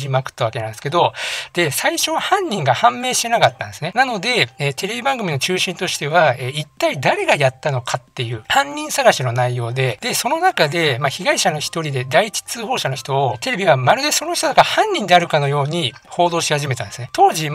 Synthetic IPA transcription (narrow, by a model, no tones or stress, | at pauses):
ʑimakɯ̟̥t̪ːaβakeãnd̪eɨ̥ke̞d̪o̞d̪̥e̞saiɕo̞βahãɲ̟ːĩŋɡahãmːe̞ːɕi̥t̪e̞nakat̪ːã̰nd̪e̞sɨnenanod̪e̞eːt̪ʰe̞ɾe̞bʲibãŋɡɯmino̞t͡ɕɨːɕĩnt̪o̞ɕi̥t̪e̞βaeːit̪ːaid̪aɾe̞ɡajat̪ːano̞kʰat̪ːe̞jɯ̟ːhãɲ̟ːĩɰ̃saɡaɕino̞naijo̞ːd̪e̞d̪̥e̞so̞no̞nakad̪e̞maçiɡaiɕano̞çi̥t̪o̞ɾʲid̪e̞d̪ait͡ɕi̥t͡sɨːho̞ːɕano̞çi̥t̪oːt̪e̞ɾe̞bʲiɡamaɾɯ̟d̪e̞so̞no̞çʲit̪od̪akahãɲ̟ːĩnd̪e̞aɾɯ̟kano̞jo̞ːɲ̟i | ho̞ːd̪o̞ːɕihaʑime̞t̪ã̰nd̪esɨnet̪o̞ːʑi